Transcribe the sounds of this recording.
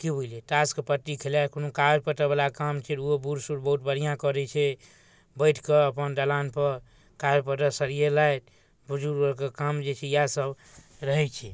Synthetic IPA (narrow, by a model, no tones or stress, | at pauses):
kibʱuileʈaskepət̪ːikʰelakonokabpəʈəbalakamt͡ʃʰɛt̪uobuɾsuɾbəɦut̪̚bəɽ̤ijãkɔɾɛt͡ʃʰɛ | bəɪʈʰkeəpənd̪alanpəɾ | kabpəʈəsəɾijelajt̪ | bud͡ʒuɾbəɾkekamd͡ʒet͡ʃʰɛjasəb | ɾəɦɛt͡ʃʰɛ